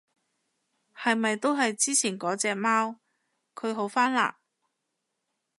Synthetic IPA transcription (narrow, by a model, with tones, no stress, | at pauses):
hɐ˨jmɐ˨jt̪o˥wɦɐ˨jt͡siː˥t͡sʰiː˨˩nkɔː˨˥t͡sɛː˧maː˥w | kʰɵ˨˧ɥɦo˨˥wfaː˥nla̰ː˨